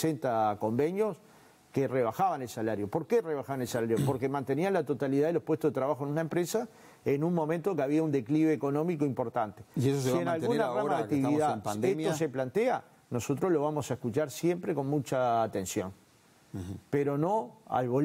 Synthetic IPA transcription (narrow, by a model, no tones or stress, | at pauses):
sent̪ako̞mbe̞njo̞s | kereβ̞axaβane̞lsalaɾjo̞po̞ɾkereβaxaβanelsalaɾjopoɾkemãnt̪e̞nianlat̪o̞t̪aliðaðelo̞pwet̪oðet̪ɾaβaxoenunaempɾesa | enunmõ̞ment̪okeaβiaund̪e̞kliβeːko̞no̞mikoimpo̞ɾt̪ant̪eesossienalɣunaramaðeakt̪iβiðampand̪emjoseplant̪ea̰ | no̞so̞t̪ɾolo̞βamo̞saehkut͡ʃaɾsje̞mpɾeko̞nmut͡ʃaːt̪ensjo̞̰n | peɾo̞noa̰lβo